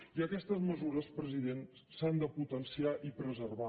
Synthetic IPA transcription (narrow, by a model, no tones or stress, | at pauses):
iəkɛst̪əzməzuɾəspɾəziðen | sand̪əput̪ənsiaʔipɾəzərβa